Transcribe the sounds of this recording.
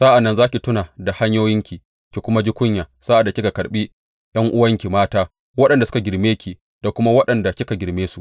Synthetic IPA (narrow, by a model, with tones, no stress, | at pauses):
saː˦ʔa˨nːɐ˦nzaː˦kʲi˨tʊ˦naː˨da˨ha˦ɲjoː˦jɪ˦ŋkʲi˨ | kʲi˨kʷʊ˦ma˦d͡ʒi˦kʷʊ˦ɲjaː˨sa˦ʔa˨dːa˨kʲɪ˦ka˨kɐ˨ɽɓi˦ | j̰ɐ˦ŋʔʊ˦wɐ˦ŋkʲi˨maː˦taː˦ | wɐ˦ɗɐ˨nda˨sʊ̥˦ka˨ɡʲɪ˨ɾmeː˦kʲi˨ | d̥a˨kʷʊ˦ma˦wɐ˦ɗɐ˨nda˨kʲɪ˦ka˨ɡʲɪ˨ɾmeː˦su˨